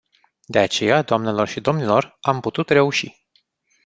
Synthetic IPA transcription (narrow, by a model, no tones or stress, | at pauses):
d̪e̞at͡ʃe̞jad̪oamne̞lo̞rʃid̪o̞mnilo̞ramput̪ut̪re̞uʃi